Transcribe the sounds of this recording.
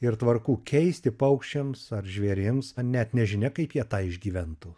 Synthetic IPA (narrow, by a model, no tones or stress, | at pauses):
ɪɾt̪ʋɐɾkuːkʲʰɛɪsʲt̪ʲɪpɐʊkʃʲt͡ʃʲɛmsɐɾʒʲʋʲeːɾʲɪmsnʲɛt̪nʲɛʒʲɪnʲɛkɐɪpjiɛt̪ɑːɪʒʲɡʲiːʋʲɛnt̪ʊ